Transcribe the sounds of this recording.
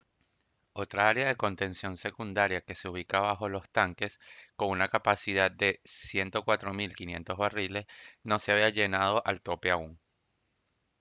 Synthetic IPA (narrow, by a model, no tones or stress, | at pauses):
o̞t̪ɾaaɾeað̞e̞ko̞nt̪e̞nsjo̞nse̞kund̪aɾjake̞seuβ̞ikaβaxo̞lo̞st̪aŋke̞sko̞ŋunakapasið̞ad̪̚d̪e̞sje̞nt̪o̞kwat̪ɾo̞milkinjẽ̞̰nt̪o̞zβarile̞sno̞seaβ̞iaʝe̞nað̞o̞ʔalt̪o̞pe̞auŋ